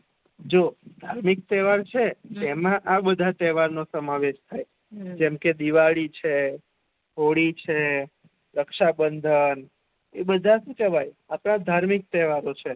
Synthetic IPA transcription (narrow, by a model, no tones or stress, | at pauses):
d͡ʒod̪ʱaɾmik̚t̪ɛʋaɾt͡ʃʰeɛmãʔabəd̪ʱat̪ɛʋaɾnosəmaʋeʃt̪ʰaj | d͡ʒɛmked̪iʋaɭit͡ʃʰe | ɦoɽit͡ʃʰe | ɾəkʃabənd̪ʱən | ebəd̪ʱaʃũt͡ʃəʋajapɳãd̪ʱaɾmik̚t̪ɛʋaɾot͡ʃʰe